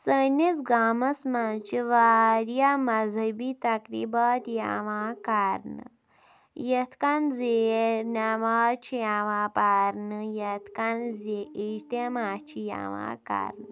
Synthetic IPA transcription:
sənit͡sɡaːmɐsmat͡ʃiʋaːɾjamɐzʱɐbit̪ɐkɾḭbaːt̪ja̰ːʋãːkaːɾnɨ̰ | jɐt̪ʰkanzenaʋaːt͡ʃʰijaʋãːpaːɾnɨjɐt̪ʰkanzeʔiʃt̪emaːt͡ʃʰija̰ʋã̰ːka̰ɾnɨ

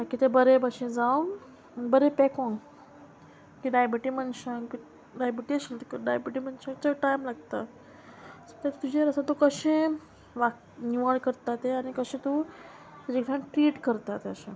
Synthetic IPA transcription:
akit̪ebəɾebəɕẽd͡zaʋ | bəɾepɛkõŋɡ | kiɖajbiʈimənɕə̃ŋki | ɖajbiʈiəɕilt̪kɖajbiʈimənɕə̃ŋkt͡səʈajmlaɡt̪a | sət̪at̪t̪ud͡ʑeɾəsat̪ukəɕẽ | ʋak | niʋəɽkəɾt̪at̪eanikəɕẽt̪u | t̪ud͡ʑekʈanʈɾiːʈkəɾt̪at̪eəɕẽ

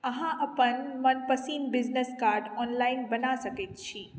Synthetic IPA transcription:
ɐɦãʔɐpənmɐnpɐsiːnbɪd͡ʒneskaːɾɖɔːnlaːɪnbɐnasɐket̪t͡ʃʰiː

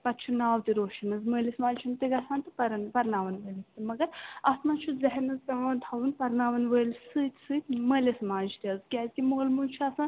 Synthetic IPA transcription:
pɐt̪t͡ʃʰunaːwt̪iɾoːʃɐnɐzməːlismaːd͡ʒt͡ʃʰunt̪iɡɐsãːnt̪ɨpɐɾɐnpɐɾnaːʋɐnʋəːlʲisʲt̪ɨmɐɡɐɾɐsnãːt͡ʃʰuzɐɦɛɾnɐzk̪ɐʋãːnt̪ʰɐwunpɐɾnaːʋɐnʋəːlʲsɨːt̪ʲsɨːt̪ʲməːlismaːd͡ʒʰt̪iɐzkʲaːzʲkʲimoːlmunt͡ʃʰuɐsãːn

